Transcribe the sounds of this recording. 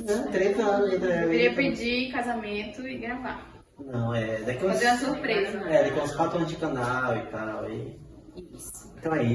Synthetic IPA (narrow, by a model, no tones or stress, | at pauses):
nɐ̃t̪ɾẽt̪ɐɐ̃nʊẽd̪ɐaveɾiɐpẽd͡ʒikazamẽnt̪ʊɪɡɾava | nɐ̃w̃ɛd̪akiazeũɐsuɾpɾezɐɛd̪akilɐspat̪ɐ̃d͡ʒɪkɐ̃nawɪt̪awi | isʊ̥̃ẽt̪ɐ̃w̃ɛi